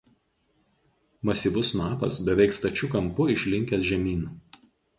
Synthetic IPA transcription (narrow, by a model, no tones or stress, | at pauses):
mɐsʲiːˑʋʊsmɑːpɐ̰sbʲɛʋʲɛɪkst̪ɐt͡ʃʲʊkɐmpʊɪʃʲlʲɪŋʲkʲɛsʒʲɛmʲiːn